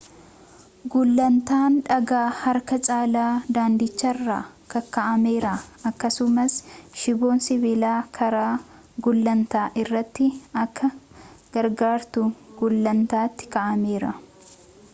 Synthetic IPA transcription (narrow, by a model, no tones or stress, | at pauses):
ɡʊlːɐnt̪aːnᶑɐɡaːhɐɾkɐt͡ʃʼaːlaːd̪aːnd̪ɪt͡ʃːɐrːa̰ːkɐkɐʔɐme̞ːɾɐɐkːɐsʊmɐsʃɪbo̞ːnsɪbɪlaːkʰɐɾaː | ɡʊlːɐnt̪aːʔɪrːɐt̪ːɪɐkʰːɐɡ̥ɐɾɡaːɾt̪ʊɡ̥ʊlːɐnt̪aːt̪ːɪ̥kɐʔɐme̞ːɾɐ